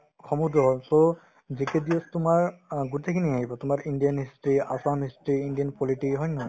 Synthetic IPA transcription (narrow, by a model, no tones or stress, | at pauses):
kʰɔmudɔɦɔlso | zikɛdiɔstʊmaɹɡutekʰiniaɦibɔtʊmaɹindijanɦistɹia̰samɦistɹiːndijanpɔliʈikɦɔjnɔɔj